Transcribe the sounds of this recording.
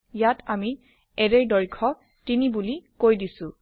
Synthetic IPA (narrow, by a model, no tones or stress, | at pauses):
jatʰami | ɛɹeɹdɔɹkʰɔ | tinibulikojdisʊ̃